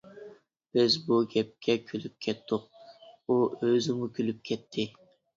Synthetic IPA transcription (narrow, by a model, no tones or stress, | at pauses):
b̥ɪzbuɡʲɛp̚kʲʰɛkʲʰylyp̚kʲʰɛt̪ʰːʊq̚uʔøzɪmukʲʰylyp̚kʲʰɛt̪ʰːɪ